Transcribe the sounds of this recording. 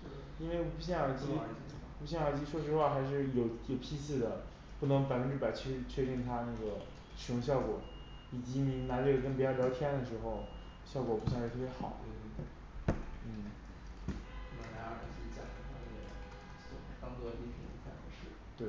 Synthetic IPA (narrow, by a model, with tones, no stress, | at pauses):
i˥nwe˥˧ɪ˧˥˩pu˧˥ɕ̬jɛ˥˩nɑ˨˩t͡ɕi˥˨˩i˧˥pu˧˥ɕjɛ˥˩jɑə˨˩t͡ɕi˥ʂwɔ˥ʂɻ̩˧˥xwa˥˧˩xa˧˥ɪʂ̬ɻ̩˥˩jo˨˩ʊjo˨˩ʊpʰi˥s̬ɹ̩˥˩d̪ə˩ | pu˥˩nɤ˧˥ŋpa˨ɪfə˥nʈ͡ʂɻ̩˥˩pa˨˩t͡ɕʰɛ˥˧t͡ɕʰɥɛ˥˧i˥˩ŋt̪ʰa˥na˥˩ɡə˩ | ʂɻ̩˨˩jʊ˧˥ŋɕ̬jɑ˥˩ʊkwɔ˨˩˦ | i˨˩t͡ɕi˧˥mi˧˥ŋna˧˥ʈ͡ʂɤ˥˩ɡə˨˩kə˥npt͡ɕjʊljɑ˧˥ʊt̪ʰjɛ˥nd̪ə˨˩ʂɻ̩˧˥xo˥˧ʊ | ɕjɑ˥˩ʊkwɔ˨˩pu˧˥swa˥˧ʂ̩ɻ̩ʰ˥˧˥pjxɑ̰˨˩˦ | n̩˥˩˥ | na˧˥ɑ˥˩a˨˩t͡ɕi˧˥˩t͡sa˨˩ə˥t̪ʰa˥˧ə˥˩ɡə˧˩˥ | o˧˩˧t̪ɑ˥ku˥˧d̪ə˧t̪i˥˩tʰi˧˩˧t͡sʰa˥˩ə˧˥ʂɻ̩˥˩t̪we˥˩ɪ